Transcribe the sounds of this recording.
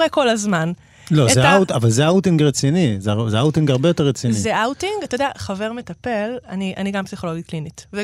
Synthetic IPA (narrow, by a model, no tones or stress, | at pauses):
ʁeko̞lazman | lo̞ezeawtavalzeawtiŋɡʁet͡sinizezeawt̪iŋɡhaʁbejot̪e̞ʁet͡sinizeawtiŋɡat̪od̪ea̰χave̞ʁmet̪ape̞laniʔa̰niɡampsiχo̞lo̞ɡit̚klinitve